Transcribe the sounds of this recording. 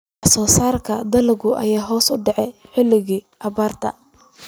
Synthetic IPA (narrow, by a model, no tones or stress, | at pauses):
ʔɐsɔːsaːrkʰɐd̪ɐlɪɣʊʔɐ̰jaːɦɔːsʊɖɛʕɛħɪlɪɣiː | ʔɐβaːrt̪ʰɐ̰